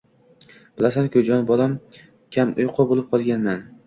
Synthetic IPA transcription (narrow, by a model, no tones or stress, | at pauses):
b̥ɪlasankʰʲɵd͡ʒɒnbɒlam | kʲʰamʊjqʰobolɪp̚qʰɒlˠɡʲanman